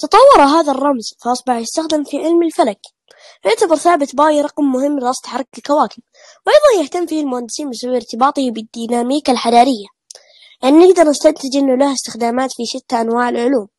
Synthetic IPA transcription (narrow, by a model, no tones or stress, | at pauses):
t̪ɨt̪ˤɑwːɑɾˤɑɦaːðarˤːɑmzfaʔɑsˤbɑħjɪst̪axd̪ɪmfiʕɪlmɪlfalak | wʊʕt̪abɑɾˤθaːbɪt̪baːjɾˤɑqmːʊhɪmːɣɑsˤt̪ħɑɾˤːk̚ɪlkawaːkɪm | wʔɑjðˤɑnjaht̪amːfiːhalmʊhand̪ːɪsiːnbɪsawːɪɾt̪ɪbɑːt̪ˤhbɪd̪ːiːnaːmiːkalħad̪aːɾɪjːa | lʔanːnɪɡd̪ɑɾˤnɪst̪ant̪ɪd͡ʒʔɪnːʊlahɪst̪ɪxd̪aːmaːt̪fiʃɪt̪ːaʔanwaːʕɪlʕʊluːm